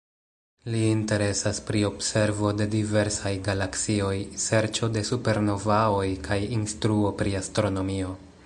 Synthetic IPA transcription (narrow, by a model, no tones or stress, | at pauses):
liːnte̞ɾe̞saspɾio̞bse̞ɾvo̞de̞dive̞ɾsajɡalaksio̞jse̞ɾt͡ʃo̞de̞supe̞ɾno̞vao̞jkʰajinstɾuo̞pɾiastɾo̞no̞mio̞